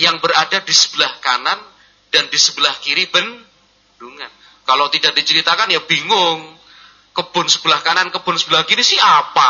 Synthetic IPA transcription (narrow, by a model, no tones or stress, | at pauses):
jaŋbəɾadadisə̥b̥əlahkanan | d̥andisəbəlahkiɾibən | d̥uŋan | kalot̪idak̚dit͡ʃəɾit̪akanjab̥iŋʊŋ | kəb̥ʊnsəbəlahkanankəbʊnsəbəlahkiɾisɪhapa